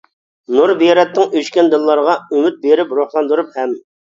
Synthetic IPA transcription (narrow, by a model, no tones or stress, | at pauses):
nuɾbijɾɛt̪ːɪŋyʃkʲɛnd̪ɨlˠːɑɾʁɑymyt̪̚beɾɪpɾoχlˠɑnd̪uɾuphɛm